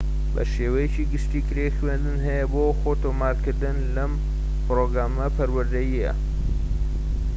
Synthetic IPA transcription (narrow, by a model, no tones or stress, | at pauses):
bɐ̰ʃeːwɐjet͡ʃiːɡɨʃt̪iːkɾexɥend̪ɨnɦɐjɐboːxot̪oːmaːɾkɨɾd̪ɨnlɐm | pɨɾoɡɾaːmɐpʰɐɾwɐɾd̪ɐjijɐ̰